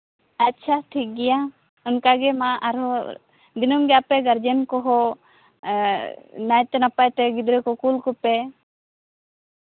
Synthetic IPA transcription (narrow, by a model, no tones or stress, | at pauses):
atːt͡ʃʰaʈʰik̚ɡɛja | ɔnkaɡɛmaaɾɔ | d̪inɔmɡɛjapɛɡaɾd͡ʒənkɔɦɔ | najt̪ɛnapajt̪ɛɡid̪ɾɛkɔkulkɔpɛ